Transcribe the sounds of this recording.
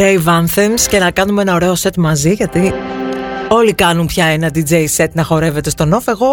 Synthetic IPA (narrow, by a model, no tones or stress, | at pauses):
ejvɐnθemsce̞nɐkɐnume̞nɐoɾe̞o̞se̞t̪mɐziʝɐt̪i | o̞likɐnumpçɐenɐd̪id͡zejse̞t̪nɐxo̞ɾe̞ve̞t̪e̞st̪o̞no̞fe̞ɣo̞